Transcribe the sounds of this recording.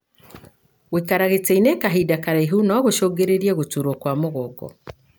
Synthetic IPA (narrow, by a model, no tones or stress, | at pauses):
wikaɾaɣeteinekaɦidakaɾaiɦunɔɣoʃoːɡeɾeɾieɣotuɾokwamoɣoɡɔ̰